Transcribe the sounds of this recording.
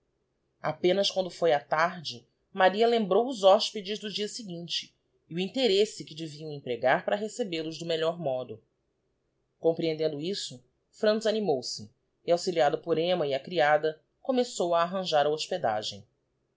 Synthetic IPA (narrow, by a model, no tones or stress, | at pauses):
a̰pẽnɐskwɐ̃nd̪ʊfojat̪aɾd͡ʒɪ | maɾiɐlẽmbɾowʊzɔʃped͡ʒɪzd̪ʊd͡ʒiɐsɪɡĩt͡ʃɪ̥ː | ʊĩt̪eɾesɪkɪd͡ʒɪviɐ̃w̃ẽpɾeɡaɾpɾɐɦesebelʊzd̪ʊmeʎɔɾmɔd̪ʊ | kõmpɾiẽnd̪ẽnd̪ʊisʊ | fɾɐ̃nt̪zanimowsɪ | ɪawsiliad̪ʊpʊɾẽmɐiɐkɾiad̪ɐ | kõmesowɐːɦɐ̃ʒaɾɐoʃped̪a̰ʒḛ̃j̃